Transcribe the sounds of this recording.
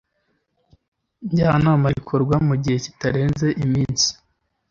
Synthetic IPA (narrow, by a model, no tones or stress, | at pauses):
ɲɟaːnaːmaɡikʰo̞ɾɡwamuɟihe̞ci̥taɾe̞ːnze̞ʔimiːnsi̥